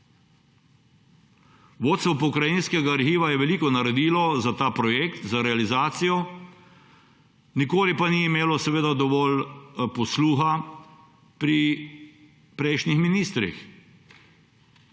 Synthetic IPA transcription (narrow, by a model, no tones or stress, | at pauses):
ʋoːt̪st̪ʋɔpɔkɾajinskɛɡaːɾxiːʋajɛʋɛliːkɔnaɾɛd̪iːlɔzat̪aːpɾɔjekt̪zaɾɛalizaːt̪sijɔ | nikoːlipaniːmeːlɔsɛʋeːd̪ad̪ɔʋɔlpɔsluːxa | pɾi | pɾɛjʃnixminiːst̪ɾḭx